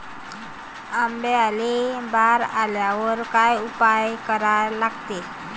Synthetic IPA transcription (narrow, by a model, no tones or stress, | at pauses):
ambealebaɾaljaʋəɾkajupajkəɾalaɡt̪e